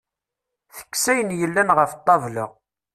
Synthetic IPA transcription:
θə̥kːsæjənjəlːænʁəft̪ˤːɑvlə̰ʁ

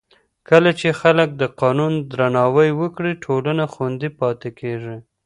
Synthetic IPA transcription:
kəlat͡ʃexalək̚d̪əqɑnund̪ɾanɑwəjwəkɽiʈʰolanaxwand̪ipɑt̪ekeʐi

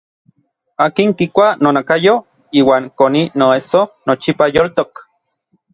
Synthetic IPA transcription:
aːkiŋkikʷanonakajo | iːwaːŋkoninoesonot͡ʃipajolt̪ok

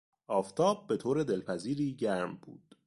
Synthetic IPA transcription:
ʔɒːft̪ʰɒːb̚ːe̞t̪ʰoːɾe̞d̪e̞lpʰæziːɾiːɟæɾmb̥ṵːd̪̥

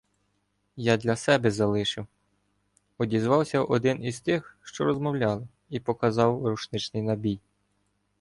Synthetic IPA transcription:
jɑd̪lʲɐsɛbɛzɐlˠɪʃɪw | ɔdʲizʋɑwsʲɐʔɔd̪ɪnizt̪ɪxʃt͡ʃɔɾɔzmɔwlʲɑlˠɪ | ipɔkɐzɑwruʃnɪt͡ʃnɪjnɐbʲij

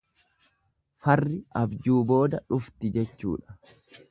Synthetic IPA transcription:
fɐrːɪɐbd͡ʒuːbo̞ːd̪ɐᶑʊft̪ɪd͡ʒɛt͡ʃːṵːᶑɐ̥

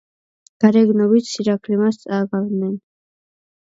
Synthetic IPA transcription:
ɡ̥aɾɛɡnɔbit͡sʰsiɾakʰlimast͡sʼaːɡavnɛn

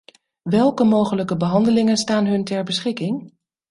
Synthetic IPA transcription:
ʋɛlˠkəmowχələkəbəɦɑndəlɪŋənstaːnɦɵntɛɹbəsχɪkɪŋ

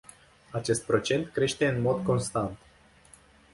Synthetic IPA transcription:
at͡ʃe̞st̪̚pɾo̞t͡ʃe̞nt̪kɾe̞ʃt̪e̞ɨnmo̞d̪ko̞nst̪ant̪

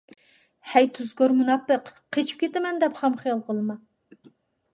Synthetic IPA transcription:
hɛjt̪ʰuzɡoɾmunɑpːəqqʰːet͡ʃʰi̥p̚kʲʰet̪ɪmɛnd̪ɛpχɑmχijɑlˠʁəlˠmɑ

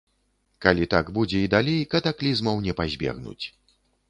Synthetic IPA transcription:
kalʲit̪aɡbud͡zʲɛid̪alʲejkɐt̪aklʲizmɐwnʲɛpazʲbʲɛ̰ɣnṵt͡sʲ

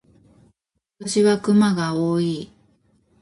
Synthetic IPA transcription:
at̪oɕiβakɯ̟maɡaoːiː

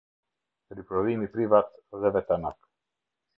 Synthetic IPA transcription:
ɾipɾɔlimipɾivat̪zɛvɛt̪anak

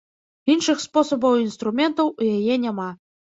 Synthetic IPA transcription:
inʂɨxspɔsɐbɐwinst̪ɾumʲɛnt̪ɐwjajɛnʲama

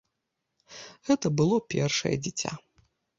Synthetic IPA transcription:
ɣɛt̪ɐbɨlˠɔpʲɛ̰rʂɐ̰jɛ̰d͡zʲit͡sʲa̰

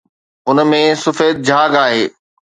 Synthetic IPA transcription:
ʊn̆mẽsʊfeːd̪̚d͡ʑʱaːɡaːɦeː

